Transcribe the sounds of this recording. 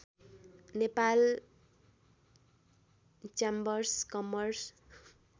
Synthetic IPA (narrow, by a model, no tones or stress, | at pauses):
nepal | t͡ʃambʌrskʌmʌrs